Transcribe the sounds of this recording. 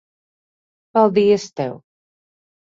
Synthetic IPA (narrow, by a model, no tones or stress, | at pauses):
valˠd̪iɛst̪ɛ̰w